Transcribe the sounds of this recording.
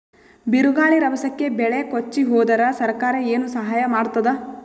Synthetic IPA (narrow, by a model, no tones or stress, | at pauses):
biɾuɡaːɭiɾɐbɐsɐkːe̞bɛɭekot͡ʃːiɦɔːd̪ɐɾɐsɐɾkaːɾɐeːnusɐɦaːjɐmaːɽt̪ːɐd̪ɐ